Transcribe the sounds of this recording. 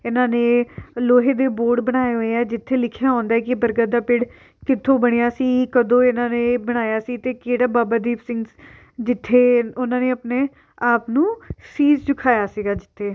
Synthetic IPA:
ɪnãːneːloːɦeːd̪eːboːɾɖbəɽ̃aːeɦoːeɛːd͡ʒɪt̪ʰːeːlɪkʰjaːɦɔ̃ːnd̪aɛːkɪbəɾɡəd̪aːpɪɽ | kɪt̪ʰːõːbəɽ̃ejaːsiːkəd̪õːɪnãːneːbəɽ̃aːjaːsiːt̪eːkeːɽaːbaːbaːd̪iːpsɪ̃ŋɡs | d͡ʒɪt̪ʰːeːʊnãːneːəpneː | aːpnũːsiːd͡ʒd͡ʒʊkʰaːjaːsiːɡaːd͡ʒɪt̪ʰːeː

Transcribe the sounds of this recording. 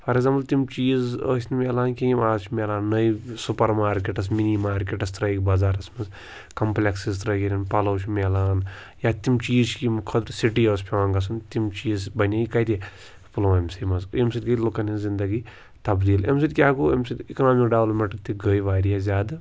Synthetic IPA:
pʰɐɾeɡzaːmpɐlt̪imt͡ʃiːzəːsnmeːlaːnkiimaːzt͡ʃʰimeːlaːnːɐjsupɐɾmaːɾkeʈɐs̬minimaːɾkʲeʈɐst̪ɾɐjkbazaːɾɐsmɐs | kɐmplʲeksist̪ɾɐɡʲiɾʲinpɐlɐwt͡ʃʰmeːlaːn | jat̪imt͡ʃiːzt͡ʃkimkʰɐt̪ɾsiʈiːəːspʰeʋaːŋɡɐs̬ɐnt̪imt͡ʃiːzbɐnʲɐikɐjt̪i | puloːemsimɐsemsit̪ʲɡɐlukɐnizind̪ɐɡi | t̪ɐbd̪iːlḛmsit̪ʲkʲaːkuemsit̪ʲiknaːmikɖɐʋlɐpmeʈɐt̪iɡəjʋaːɾijazʲaːd̪

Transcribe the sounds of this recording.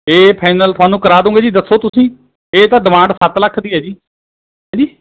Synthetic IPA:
eːpʰaːɪnəlt̪ʊaːnũːkəɾaːd̪õũːɡeːd͡ʒiːd̪əsːoːt̪ʊsĩː | eːt̪ãːɖɪmãːɳɖsət̪ləkʰːd̪iːɦɛːd͡ʒiː | ɦãːd͡ʒiː

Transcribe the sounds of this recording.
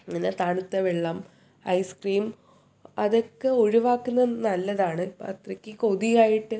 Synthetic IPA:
ŋːɐnet̪aːɳut̪ːeʋeɭːɐm | ɐ̰jskriːm | ɐðo̞kːe̞o̞ɻiʋaːkːunːɐnɐlːɐðaːɳɨɐ̰t̪rɐkʲːɨkoðijaːjiʈːɨ

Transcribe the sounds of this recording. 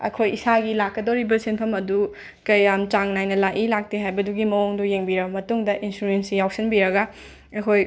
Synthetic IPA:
ɐ̰kʰojisaɡilakːɐdoɾibɐsenpʰɐmɐdu | kɐjamt͡ʃaŋnajnɐlaʔilak̚teɦajbɐduɡimɐoŋdujeŋbiɾɐbɐmɐtuŋdɐʔinsuɾensijawsinbiɾɐɡɐ | ɐkʰoj

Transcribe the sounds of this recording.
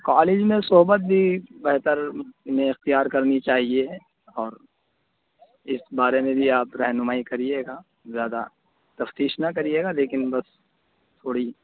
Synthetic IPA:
kaːlɪd͡ʒmẽsʊɦbət̪̚bʱibɛɦt̪əɾmẽɪxt̪ijaːɾkɐɾnit͡ʃaːɦie | ɔːɾ | ɪsbaːɾemẽbʱiaːpɾɛɦnʊmaːikɐɾieːɡa | zjaːd̪a̰ | t̪ɐft̪iːʃnakɐɾieːɡaleːkɪnbɐs | t̪ʰoːɽi

